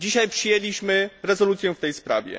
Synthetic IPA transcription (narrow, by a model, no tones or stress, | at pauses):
d͡ʑiɕajpʂɘjelʲiɕmɘɾɛzɔlut̪sʲjɛft̪ɛjspɾa̰vʲjɛ̰